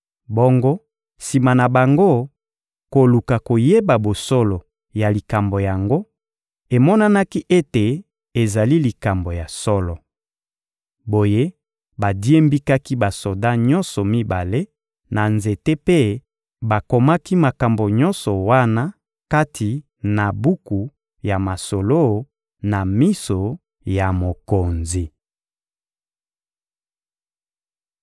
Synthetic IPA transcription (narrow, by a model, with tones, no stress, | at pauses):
bɔ˦ŋɡo˦ | si˨ma˨na˨ba˨ŋɡo˦ | ko˨lu˨ka˨ko˨je˦ba˨bo˨sɔ˦lɔ˨ | ja˨li˨ka˨mbo˨ja˨ŋɡo˦ | e˨mɔ˦na˦na˦ki˦ʔe˦te˨ | e˨za˨li˦li˨ka˨mbo˨ja˨sɔ˦lɔ˨ | bo˨je˦ | ba˨di˦e˦mbi˦ka˦ki˦ba˨so˨da˦ɲɔ˦nsɔ˨mi˦ba̰˨le˦ | na˨nze˨te˦pe˦ | ba˨ko˨ma˦ki˦ma˨ka˨mbo˨ɲɔ˦nsɔ˨wa˦na˦ | ka˦tʰi˨ | na˨bu˦ku˨ | ja˨ma˨so˨lo˦˨ | na˨mi˦so˨ | ja˨mo˨ko˨nzi˨